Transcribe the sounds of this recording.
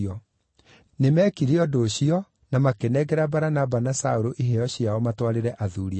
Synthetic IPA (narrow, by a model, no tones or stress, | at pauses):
ɔ | nemɛkiɾeɔdoːɕiɔ | namakenɛɡɛɾabaɾanabanasaoɾoʔiɦeɔɕiaɔmatwaɾeɾɛʔaðuːɾia